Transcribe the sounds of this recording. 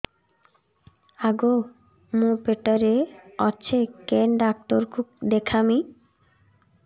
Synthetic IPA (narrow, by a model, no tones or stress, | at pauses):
aɡo | mũpeʈaɾeɔt͡ɕʰekenɖak̚ʈoɾkukd̪ekʰami